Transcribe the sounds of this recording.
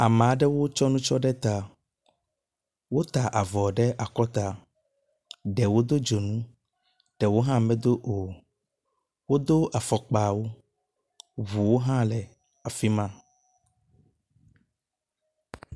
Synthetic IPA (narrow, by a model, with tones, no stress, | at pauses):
a˨m̃˨a˨ɖɛ˦wo˦t͡ʃɔ˦nũ˦t͡ʃɔ˦ɖɛ˦t̪a˨ | wo˦t̪a˨ʔa˨vɔ˨ɖɛ˦ʔa˨kɔ˦t̪a˨ | ɖɛ˨wo˦d̪o˦d͡ʒo˨nũ˦ | ɖɛ˨wo˦ɦã˦˨mɛ̃˦d̪o˦ʔo˨ | wo˦d̪o˦a˨fɔ˨k͡pa˨wo˦ | βu˨wo˦ɦã˦lɛ˨ | a˨fi˦mã˦